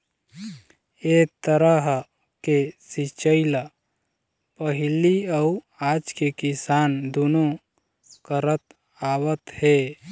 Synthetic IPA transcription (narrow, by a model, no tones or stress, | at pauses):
eːt̪əɾəɦ | kesit͡ʃəɪla | pəɦɪliau | aːd͡ʒkekɪsaːnd̪uno | kəɾət̪ | aːwət̪he